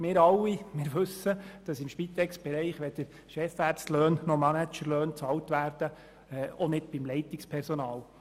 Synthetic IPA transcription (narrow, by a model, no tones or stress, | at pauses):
mɪːɾɑlːimɪːɾʋɵsːəd̥ɑsɪmʃpit̪ɛksb̥ɛɾɛɪχʋɛdəɾ | ʃɛfæːsløːnːɔmænæt͡ʃəɾløːnt͡sɑltʋæːɾd̥ə | ɔnɪd̥b̥imlɛɪt̪ikspʰɛɾsɔnɑːl